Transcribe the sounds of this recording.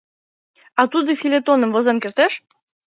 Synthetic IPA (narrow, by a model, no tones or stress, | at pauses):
ɑt̪ud̪ɤ̆fʲilʲet̪onə̆mvozenkert̪eʃ